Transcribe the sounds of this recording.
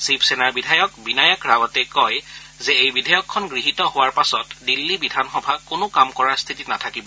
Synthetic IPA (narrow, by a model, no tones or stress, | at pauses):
sipsenaɹbidʱajɔkbinajakɹawɔtɛkɔj | zɛejbidʱajɔkʰːɔnɡɹiɦitɔɦowaɹpasɔtdilːibidʱanxɔbʱakʊnʊkamkɔɹaɹst̪ʰitinatʰakibɔ